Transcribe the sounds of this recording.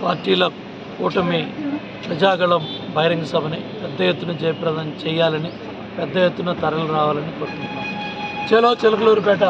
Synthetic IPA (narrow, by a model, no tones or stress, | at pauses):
paːɾʈiːlɐ | kuːʈɐmi | pɾɐd͡ʒaːɡɐɭɐmbʱɐɦiɾɐŋɡɐsɐbʱɐnipɛd̪ːɐjet̪ːunɐd͡ʒɛjɐpɾɐd̪ɐnt͡ʃɛːjːaːlɐni | pɛd̪ːɐjet̪ːunɐt̪ɐɾɐluɾaːʋaːlɐnikoːɾt̪unʈunːaːɾut͡ʃɛːloːt͡ʃelɐkɐloːɾupɛʈːɐ